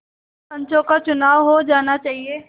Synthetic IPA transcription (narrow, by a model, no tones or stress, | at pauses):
sɐ̃ɲt͡ʃõkat͡ʃʊnaːʋɦod͡ʒaːnat͡ʃaːɦieː